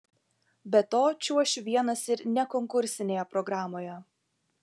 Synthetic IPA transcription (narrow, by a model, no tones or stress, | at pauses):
bʲɛt̪oːt͡ʃʲuɔʃʲʋʲiɛnɐsɪɾnʲɛkɔŋkʊɾʲsʲɪnʲeːjɛpɾɔɡɾɑːmoːjɛ